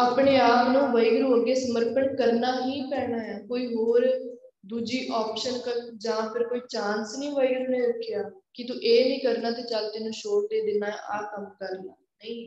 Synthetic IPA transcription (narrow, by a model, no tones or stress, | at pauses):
əpɳeːaːpnõːʋəiɡɾoəɡeːsəməɾpəɳkəɾnaːɦĩːpɛːnaːɦɛːkoːiːɦoːɾ | d̪uːd͡ʒiːʔɔːpʃənkəd͡ʒãːpʰɪɾkoːiːt͡ʃãːnsnĩːʋəɪɡɾnẽːɾʊkʰjaːkɪt̪uʔeːnĩːkəɾnaːt̪eːt͡ʃald̪eːnũːʃoːʈ̚d̪eːd̪ɪnaːɛʔaːkəmkəɾnaːnəĩː